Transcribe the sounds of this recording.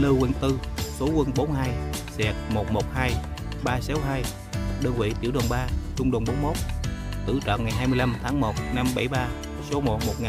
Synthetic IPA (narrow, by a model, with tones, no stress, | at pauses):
lɨ˧wi˧nt̪ɨ˧so˨˦kwə˧nɓo˨˦nhaː˧jsɛ˨˩k̚mo˨˩t̚mo˨˩t̚haː˧j | ɓaː˧sa˨˦wɦaː˧j | ɗəː˧nvḭ˧˨t͡ɕ̪i˧˩əwɗə˨˩nɓaː˧t͡ɕʊ˧wŋ͡mɗə˨˩nɓo˨˦nmo˦˥t̚t̪ɨ̰˧˩t͡ɕɔ̰ː˧˨nŋa˨˩jɦaː˧jmɨ˧əjla˧mt̪ʰaː˨˦ŋmo˨˩t̚na˧mɓa̰˧˩jɓaː˧ | so˨˦mo˨˩t̚mo˨˩t̚ŋaː˨˩